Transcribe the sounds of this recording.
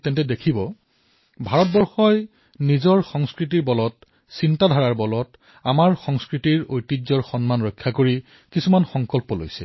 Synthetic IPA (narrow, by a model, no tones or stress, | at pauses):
tɛntɛdekʰibɔ | bʱaɹɔt̚bɔɹxɔj | nizɔɹxɔŋskɹit̬iɹbɔlɔt | sintadʱaɹaɹbɔlɔt | amaɹxɔŋskɹitiɹojtizɔɹxɔnmanɹɔjkʰːakoɹi | kisumanxɔŋkɔlpɔlo̰jsɛ̰